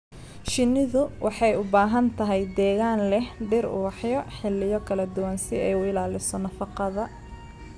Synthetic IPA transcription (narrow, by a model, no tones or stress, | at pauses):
ʃɪnːɪðʊwʔɑħɑjʊbaːɦɐnt̪ʰɐɦɛjd̪ɛːɣaːnlɛhɖɪrʊ̰wɑħjɔħɪlːɪjɔkʰɐlɐd̪ʊwansɪɛjʊɪlaːlɪsɔnɐfɑqɑðɐ